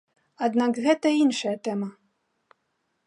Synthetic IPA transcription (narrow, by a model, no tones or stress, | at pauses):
ad̪nakɣɛt̪ɐinʂɐjɐt̪ɛmɐ